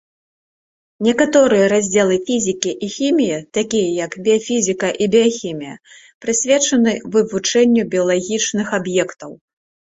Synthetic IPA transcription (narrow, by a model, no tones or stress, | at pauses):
nʲɛkat̪ɔɾɨjɐɾazʲd͡zʲɛlˠɨfʲizʲikʲiʔixʲimʲijɐt̪akʲijɐjɐkbʲɛafʲizʲikɐʔibʲɛjaxʲimʲijɐ̰ | pɾɨsʲvʲɛt͡ʂɐnɨvɨvut͡ʂɛnʲːubʲiɐlˠaɣʲit͡ʂnɨxabjɛkt̪ɐw